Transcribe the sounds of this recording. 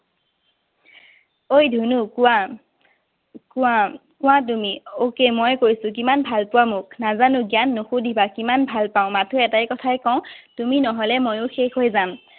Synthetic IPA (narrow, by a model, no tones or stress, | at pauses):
ojdʱunuka | kʊakʊw̃at̬umiokemojkojsʊ̃k̬imanbʱalpʊwamʊk̚nazanʊɡianːoxudʱibakimanbʱalpaʊ̃matʰuɛtajkɔtʰajkɔʊ̃tuminɔɦɔlɛmojʊxexɦojzam